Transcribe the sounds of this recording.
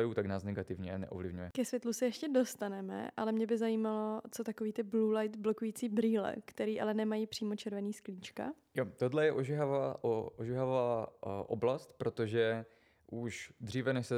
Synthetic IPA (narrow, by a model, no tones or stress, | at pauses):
ajut̪aɡnaːsnɛɡat̪ɪvɲɛnɛ̰ʔovlɪvɲujɛkɛsvjɛt̪lusɛjɛʃcɛdo̞st̪anɛmɛ̰ʔalɛmɲɛbɪzajiːmalo̞t͡sot̪akoviːt̪ɪbluːlajt̪blo̞kujit͡siːbɾiːlɛ̰kt̪ɛɾiːʔalɛnɛmajiːpr̥iːmot͡ʃɛɾvɛniːskliːt͡ʃka̰ | jot̪odlɛjɛʔoʒɛɦavaːʔoʔoʒɛɦavaːʔoblast̪pɾot̪oʒɛ | ʔuʃd̪r̝iːvɛnɛʃsɛ